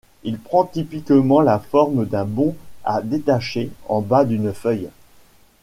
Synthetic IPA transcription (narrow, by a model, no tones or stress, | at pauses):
ilpχɑ̃t̪ipikmɑ̃lafɔʁmd̪ɛ̃bɔ̃a̰d̪et̪aʃeɑ̃bad̪ynfœj